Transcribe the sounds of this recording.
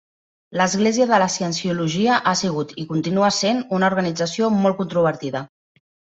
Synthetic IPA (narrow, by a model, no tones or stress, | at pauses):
ləzɣleziəðələsiənsiuluʒiəʔasiɣ̞ut̪ikunt̪inuəsenunəuɾɣənid͡zəsiomɔltkunt̪ɾuβ̞əɾt̪iðə